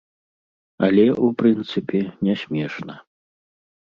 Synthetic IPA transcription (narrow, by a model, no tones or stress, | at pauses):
ɐ̰lʲɛʔupɾɨnt̪sɨpʲɛnʲɛsʲmʲɛʂnɐ